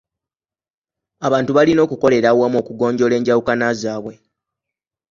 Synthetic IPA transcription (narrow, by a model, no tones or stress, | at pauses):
aβaːntuβalino̞ːkuko̞le̞ɾawamo̞ːkuɡo̞ːɲɟo̞le̞ːɲɟawukanazaːβwe̞